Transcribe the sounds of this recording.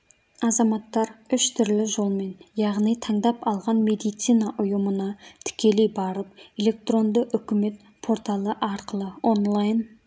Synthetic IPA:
ɑzɑmɑt̪ːɑɾʏʃt̪ʰʏɾlɪʒo̞lˠme̞njɑʁnijt̪ʰɑɴd̪ɑpɑlˠʁɑnme̞d̪ijt̪sijnɑʔʊjəmənɑt̪ʰɪ̥kʲe̞le̞jbɑɾəp̚e̞le̞k̚t̪ro̞nd̪əʔʏkʲɪme̞t̪̚ | pʰo̞ɾt̪ɑlˠəʔɑɾqəlˠəo̞nlˠajn

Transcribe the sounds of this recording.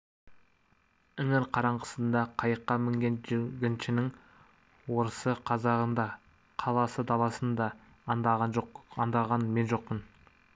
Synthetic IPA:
ʏŋɪɾqʰɑɾɑɴəsənd̪ɑqʰɑjəqːɑmɪŋɡʲenɪɡʲɪnʃɪnɪŋ | wo̞ɾəsəqʰɑzɑʁənd̪ɑ | qʰɑlˠɑsəd̪ɑlˠɑsənd̪ɑ | nd̪ɑʁɑnd̪ɑʁɑnme̞nʒo̞q̚pən

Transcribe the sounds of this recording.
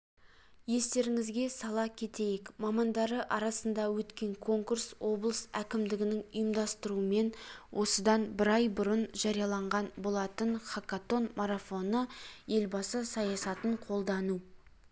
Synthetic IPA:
je̞st̪e̞ɾɪŋɪzɡʲe̞sɑlˠɑkʲʰe̞t̪e̞jekmɑmɑnd̪ɑɾəʔɑɾɑsənd̪ɑwɵt̪kʲe̞ŋkʰo̞ŋkurswo̞blˠəsækʲɪmd̪ɪɡʲɪnɪŋʊjəmd̪ɑst̪əɾuəme̞nwʔo̞səd̪ɑnbɪɾɑjbʊɾənʒɑɾijɑlˠɑɴʁɑnbolˠɑt̪əɴχakat̪o̞nmaɾafo̞nəje̞lbɑsəsɑjɑsɑt̪əɴqʰo̞lˠd̪ɑnu

